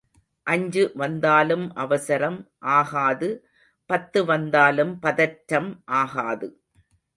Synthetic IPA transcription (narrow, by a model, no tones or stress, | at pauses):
ʔɐɲd͡ʒɯʋɐnd̪aːlɯmʔɐʋɐsɐɾɐmʔaːɣaːðɯ | pɐt̪ːɯʋɐnd̪aːlɯmpɐðɐʈɾɐmʔaːɣaːðɯ